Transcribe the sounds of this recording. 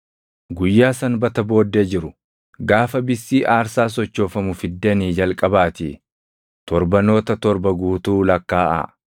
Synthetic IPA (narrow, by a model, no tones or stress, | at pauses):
ɡʊjːaːsɐnbɐt̪ɐbo̞ːd̪ːe̞ːd͡ʒɪɾʊ | ɡaːfɐbɪsːiːʔaːɾsaːs̬ɔt͡ʃːo̞ːfɐmʊfɪd̪ːɛniːd͡ʒɐlkʼɐbaːt̪ɪ̰ | t̪ɔɾbɐno̞ːt̪ɐt̪ɔɾbɐɡuːt̪uːlɐkːaːʔɐ̰